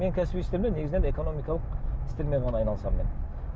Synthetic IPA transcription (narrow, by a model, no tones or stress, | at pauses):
me̞ŋkʲʰæsɪbijt̪st̪emd̪ene̞ɡʲɪznee̞ko̞no̞mijkɑlˠəqɪ̥st̪e̞ɾme̞ʁɑnɑjnɑlˠəsɑmːen